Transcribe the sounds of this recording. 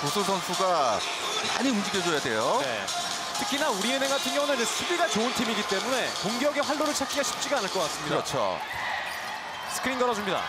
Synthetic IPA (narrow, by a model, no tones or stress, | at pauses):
kosʰoɭtʰʌnsʰuɡa | ma̰ɲiumd͡ʑiɡjʌd͡ʑojade̞̰jone̞̰ | tʰɯ̥kʰinauɾienɦeŋɡatʰɯnɡjʌŋunend͡ʑesʰubiɡat͡ɕoɯntʰimiɡit͈e̞mune̞koŋɡjʌɡeɸwaɭːoɾɯɭt͡ɕʰak͈iɡaɕʰi̥p̚t͡ɕ͈iɡaːnɯɭk͈ʌk͈ats͈ɯmɲidaɾʌ̰t͡ɕʰo̰ | sʰɯ̥kʰɯɾinɡʌɾʌd͡ʑumɲida̰